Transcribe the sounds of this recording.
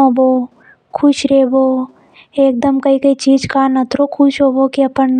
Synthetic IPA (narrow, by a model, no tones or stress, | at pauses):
oboː | kʰʊʃɾeːboː | eːk̚d̪əmkəikəit͡ʃiːd͡ʒkaːnɐt̪ɾokʰʊʃɦoːboːkiɐpənn